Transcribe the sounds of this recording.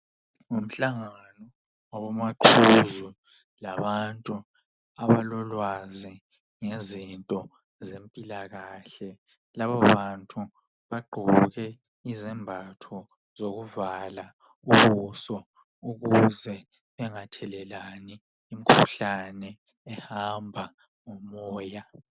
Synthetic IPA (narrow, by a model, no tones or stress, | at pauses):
um̩ɬaŋa | nɔ | ɔβɔmaǃʰuzu | laβantʼu | aβalɔlwazi | ŋezintʼɔ | zempʼilaɣaːɬɛ | laβaβantʼu | βaɡ͡ǃʱuuɣɛ | izɛmbʱatʰɔ | zoɣuvala | uβusɔ | uɣuzɛ | βɛŋatʰɛlɛlaniː | m̩kʰuɬanɛː | hambʱa | ŋomɔːja